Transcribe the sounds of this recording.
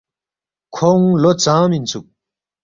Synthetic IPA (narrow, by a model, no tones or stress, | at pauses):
kʰɔŋlot͡samit͡sʰuk̚